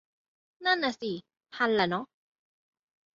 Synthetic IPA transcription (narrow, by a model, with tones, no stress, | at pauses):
na˥na˧si˨ | pʰa˧la˨nɔ˦